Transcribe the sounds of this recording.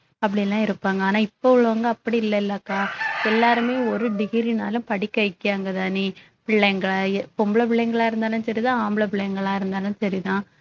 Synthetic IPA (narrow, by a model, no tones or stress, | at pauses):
ɐpːɐɽɪɛlːãːɪɾɯpːaːŋɡɐaːnaːɪpːokʊɭʋaːŋɡɐɐpːɐɽiɪlːɐɪlːɐkːaːɛlːaːɾɯmeːɔɾɯɖɪɣɪɾina̰ːlɯ̃mpɐɽɪkːɐɪkːɪjaːŋɡɐðaːni | pɪɭːɛŋɡɐɭpɔmbɭɐp̬ɪɭːɛŋɡɐɭaːɪɾɯnd̪aːlɯnsɐɾit̪ãːaːmbɭɐp̬ɪɭːɐjŋɡɐɭaːɪɾɯnd̪aːnɯnsɐɾit̪ãː